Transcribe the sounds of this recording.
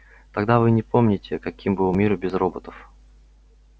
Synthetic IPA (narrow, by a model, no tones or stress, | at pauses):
t̪ɐɡd̪avɨnʲɪpo̞mnʲɪtʲɪkɐkʲimbɨlˠmʲiɾbʲɪzro̞bət̪əf